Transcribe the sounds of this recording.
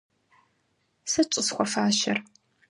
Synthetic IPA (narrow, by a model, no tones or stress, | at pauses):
sɐt͡ʃʷʼʊsxʷɔfaːʃɐr